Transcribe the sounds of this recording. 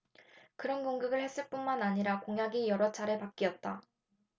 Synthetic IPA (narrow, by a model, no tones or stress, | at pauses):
kɯɾʌnkoŋɡɯɡɯɭhe̞s͈ɯɭp͈unmanaɲiɾakoŋɦjaɡijʌɾʌt͡ɕʰaɾɯɭpak͈̚iʌt̚t͈a